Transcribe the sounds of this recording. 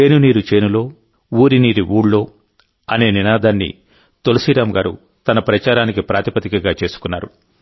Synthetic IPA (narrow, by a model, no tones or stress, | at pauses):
e̞ːnuniːɾut͡ʃe̞ːnulo̞ː | uːɾiniːɾiʔuːɽlo̞ː | ɐne̞ːninaːd̪ʱaːnːḭ | t̪o̞lisiɾaːmɡaːɾṵ | t̪ɐnɐpɾɐt͡ʃaːɾaːnikipɾaːt̪ipɐt̪ikɐɡaːt͡ʃe̞ːsu̥kunːa̰ːɾu